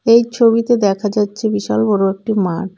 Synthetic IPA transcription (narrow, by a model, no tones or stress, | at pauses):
ejt͡ɕʰobit̪ed̪ɛkʰad͡ʑatːɕʰebiʃalbɔɾoek̚ʈimaʈ